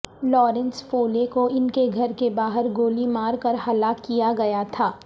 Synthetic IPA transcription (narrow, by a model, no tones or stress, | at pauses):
lɔːɾɛ̃nsfoːlekoɪnkeɡʱɐɾkebaːɦəɾɡoːlimaːɾkɐɾɦɐlakijaɡɐjat̪ʰaː